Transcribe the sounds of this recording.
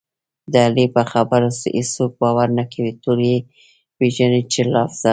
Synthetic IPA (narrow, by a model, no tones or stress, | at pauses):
d̪əalipəxabəɾasʔisok̚bɑwaɾnakʰawit̪oɾje | weʒanet͡ʃelɑfz̥ɑ